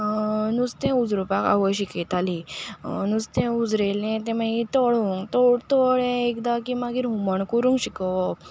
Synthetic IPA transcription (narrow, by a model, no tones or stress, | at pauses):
nust̪ẽud͡zɾupaka̰ʋəjɕikɛt̪alinust̪ẽud͡zɾelẽt̪ẽmait̪ɔɭuŋɡt̪ɔɽt̪ɔɭeekd̪akimaɡiːɾɦuməɳkuɾũŋɡɕikəʋə